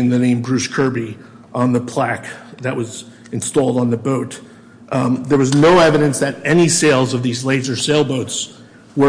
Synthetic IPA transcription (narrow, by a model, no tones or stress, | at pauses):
ɨ̃nðɨnẽɪ̃mbɹʉskʰɜ˞bi | ʔə̃nðəpʰl̥ækðɨʔ̚wʌz | ɨ̃nstɔlˠdn̩ðəboʊt̪̚ | ðə˞wʌznoʊɛvɨɾɨ̃nsðɨɾɛniseɪlˠzʌvðizleɪdzə˞seɪlˠboʊts | wə